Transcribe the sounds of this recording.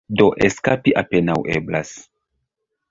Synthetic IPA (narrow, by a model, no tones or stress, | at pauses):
doʔeskapiʔapenawʔḛblas